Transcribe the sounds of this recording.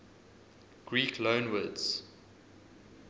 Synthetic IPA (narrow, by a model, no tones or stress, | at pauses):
ɡ̥ɹiːkʰlõʊ̃nwədz̥